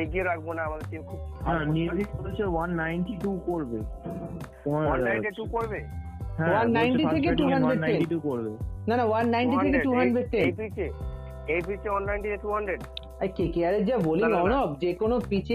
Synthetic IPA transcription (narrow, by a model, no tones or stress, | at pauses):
eɡieɾak̚ʰbonaamad̪eɾʈimkʰubɦɛ̃niɾd̪ʱioɾet͡ɕʰewanːajnʈiʈukoɾbe | onawanaaj̃ʈeʈukoɾbe | ɦɛ̃wannːajnʈit̪ʰek̬eʈuɦaɳɖɖɾeɖnːeniʈukoɾbenanawanːajnʈit̪ʰekeʈuɦanɖɾeɖ̚ʈ̪enpit͡ʃʰe | ejpit͡ʃewannajɳʈit̪ʰeʈuɦaɳɖɾeɖ | ajkekeaɾed͡ʑaboliɔnobd͡ʑekonopit͡ɕʰe